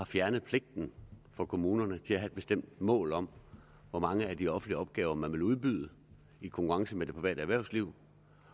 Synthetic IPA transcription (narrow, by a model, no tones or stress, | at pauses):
hɑ̈fjæɐnəð̞̩ˠpʰle̝ɡ̥̚d̥n̩fɒ̽kʰo̝muːnɐnət͡sʰe̝læɦæed̥̚b̥e̝sd̥em̰d̥mɔ̰̽ːlɒ̽m̰ | ʋɒmɑ̈ŋəæd̥iɒ̽fn̩dliəɒ̽b̥̚ɡ̥ɛːʊɐmænʋe̝luðˠb̥yð̞ˠə | ikʰɔ̽ŋkʰuʁɑ̈ŋsəmed̥e̝pʰʁiʋɛ̰ːdəæʋæɐ̰ʊsliʊ̰